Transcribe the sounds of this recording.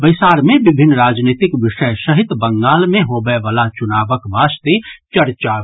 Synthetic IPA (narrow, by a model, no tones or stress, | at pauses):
bəɪsaːɾmẽbɪbʱɪnːɾaːd͡ʒniːt̪ɪkʋɪʃəjʃəɦɪt̪bə̃ŋɡaːlmẽɦoːbəeʋəlat͡ʃʊnaːʋəkbʱaːst̪et͡ʃɐɾt͡ʃa